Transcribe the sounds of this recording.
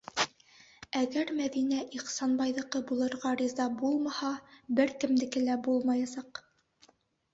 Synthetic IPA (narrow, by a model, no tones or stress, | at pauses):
æɡæɾmæðinæʔiχsɑnbɑjðɤ̆qɤbulˠɤ̆ɾʁɑɾizɑbulˠmɑhɑbɘɾkɘ̆md̪ɘ̆kɘ̆læbulˠmɑjɑsɑq